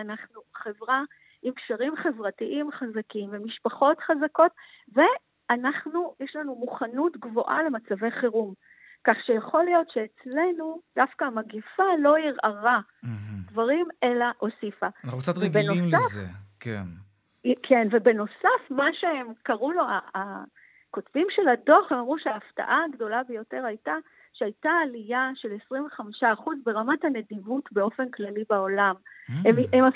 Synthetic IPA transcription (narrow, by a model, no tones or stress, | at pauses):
anaχnuχe̞vʁa | ʔimkʃaʁimχe̞vʁatiʔimχazakimvemiʃpaχo̞tχazako̞t̚ve̞ | anaχnujɛʃlanumuχanutɡvo̞ʔale̞mat͡save̞jχeʁum | kaχʃejaχo̞ljo̞tʃeet͡slenud̥afkamaɡifalo̞iʁʔaʁa | dvaʁime̞laʔo̞sifanaχukt͡sat̪ʁiɡbenoismlafekḛn | kʰe̞nve̞be̞no̞safmaʃeemkaʁulo̞aː | ko̞tvimʃe̞ladoaχhe̞mamʁuʃeaːfta̰ʔaɡdo̞labejo̞te̞ʁajta | ʃeajtaːlijaʃe̞lesʁiɱveχamiʃaːχuzbe̞ʁamathane̞dimutbe̞o̞fe̞nklalibao̞lamemema